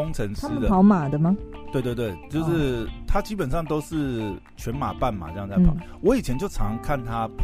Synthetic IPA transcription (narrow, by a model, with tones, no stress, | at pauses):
ʊ˥ŋt͡sʰə˧˥ŋʂʰa˥ɻ̩˥ə˨d̪ə˨xɑ˧˥ʊma˨˩d̪ə˦mɐ˨t̪we˥˧t̪wt̪we˥˩ɪt͡ɕjo˥˧ʊʂɻ̩˥˩t̪ʰa˥t͡ɕi˥pə˨˩nʂɑ˥˩ŋt̪o˥ʊʂɻ̩˥˩ | t͡ɕʰɥɛ˧˦˥nma̰˨˩pa˥˩nma̰˨˩ʈ͡ʂɑ˥˩ | wɔ˧˦˥i˨˩t͡ɕʰjɛ˧˦nt͡ɕjo˥˩ʊʈ͡ʂʰɑ̰˧˥ŋkʰa˥˩nt̪ʰa˥p